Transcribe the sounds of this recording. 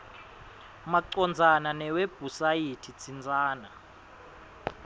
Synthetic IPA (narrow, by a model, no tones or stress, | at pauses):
maǀɔnd͡zʱananɛweb̥ʱusajitʰit͡sʰʼind͡zʱaːna